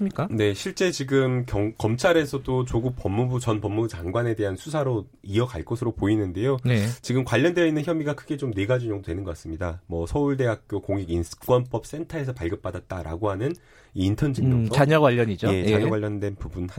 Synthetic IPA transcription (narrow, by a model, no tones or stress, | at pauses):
mɲik͈ane̞ɕʰiɭt͡ɕ͈e̞t͡ɕiɡɯmkʌŋkʌmt͡ɕʰaɾe̞sʰʌdot͡ɕoɡuk̚p͈ʌmːubut͡ɕʌnpʌmːubut͡ɕaŋɡwane̞de̞ɦansʰusʰaɾo | iʌkaɭk͈osʰɯɾopoinɯnde̞jonet͡ɕiɡɯmkwaʎːʌndweinːɯnçjʌmiɡakʰɯɡe̞t͡ɕomneɡad͡ʑuɲjʌŋdodwenɯnɡʌk͈as͈ɯmɲidamʌsʰʌuɭde̞ɦak̚k͈jokoŋiɡinɯ̥k͈wʌnp͈ʌp̚s͈e̞ntʰae̞sʰʌpaɭɡʌp̚p͈adat̚t͈aɾa̰ɡoɦanɯn | iintʰʌnd͡ʑiŋʌaɲʌɡwaʎːʌɲid͡ʑojeaɲʌɡwaʎjːʌndwe̞npubunha